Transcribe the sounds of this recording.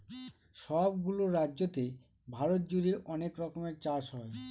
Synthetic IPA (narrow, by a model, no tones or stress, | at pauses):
ʃɔbɡuloɾadd͡ʑot̪e | bʱaɾot̪̚d͡ʑuɾiʔɔnekɾɔkomeɾt͡ɕaʃɦɔe